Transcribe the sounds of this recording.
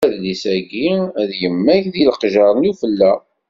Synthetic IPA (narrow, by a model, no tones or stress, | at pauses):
ðlisæɡiðjəmːæçðilqʒɑɾˤnufəlːæ